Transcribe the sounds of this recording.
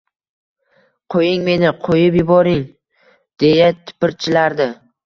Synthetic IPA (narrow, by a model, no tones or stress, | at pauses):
qʰojɪŋme̞nɪqʰojɪpjʊbɒɾɪŋ | d̪̥e̞jat̪ʰɪ̥pɪɾt͡ʃʰɪlaɾd̪ɪ